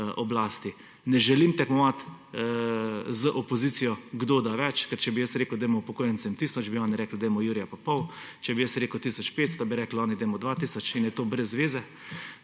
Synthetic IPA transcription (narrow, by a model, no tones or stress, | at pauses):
ɔblaːst̪i | nɛʒɛlimt̪ɛkmɔʋat̪ | zəʔɔpɔziːt̪sijɔɡd̪oːd̪aʋɛt͡ʃkɛɾt͡ʃɛbijəsɾeːkʊd̪ɛjmɔupɔkoːjənt̪sɛmt̪iːsɔd͡ʒbiɔːnɛɾɛːkld̪ɛjmɔjuːɾijapapɔwt͡ʃɛbijəsɾeːkəwt̪isɔt͡ʃpeːt̪st̪abiɾɛklɔːnid̪ɛjmɔd̪ʋat̪iːsɔt͡ʃinjɛt̪oːbɾɛzːʋeːzɛ